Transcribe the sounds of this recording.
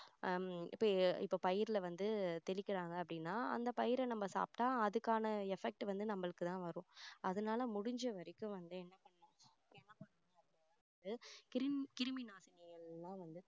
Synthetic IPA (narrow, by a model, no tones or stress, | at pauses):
ɪ̰pːoːɪpːoːpɐjɪɾɪlɐʋɐnd̪ɯt̪ɛɭɪkːɪɾaːŋɡɐːp̬ːɐɽɪnːaːɐ̰nd̪ɐpɐjɪɾɐnɐmːɐsa̰ːpʈãːɐðɯkːaːnɐɛfɛk̚ʈɯʋɐnd̪ɯnɐmːɐɭɯkːɯt̪ãːʋɐɾʊ̃ɐðɐnaːlɐmʊɽɪɲd͡ʒɐʋɐɾɐkːɯ̃ʋɐnd̪ɯɛnːɐpɐɳːɐnʊ̃ | pːɛnːɐpɐɳːɐñɐ | ɐnd̪ɯkɾkɪɾmɪnaːsɪnɐjɐɭːãːʋɐnd̪ɯ